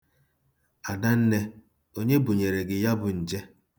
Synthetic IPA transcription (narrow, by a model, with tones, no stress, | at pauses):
a˨da˦n̩˦ne˦ | o˦ɲe˦bu˨ɲe˨ɾe˨ɡɪ˨ja˦bʊ˨n̩˨d͡ʒe˦